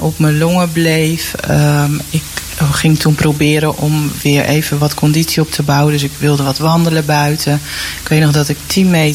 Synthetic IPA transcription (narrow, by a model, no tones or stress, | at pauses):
ɔpməloŋəblejfəɪk | χɪŋtʰunprowbɪːɾəʔɔmʋɪəɹʔḛːvəʋɔtkʰɔnditsjiɔp̚tʰəbawədøs̬ɪkʋɪlˠdəʋɔtʋɑndələbœɥtʰəɪkʋeːtnɔxdɔtɪktʰinme